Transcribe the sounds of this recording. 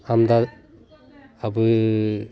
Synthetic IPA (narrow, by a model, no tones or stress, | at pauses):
amd̪a | abɯ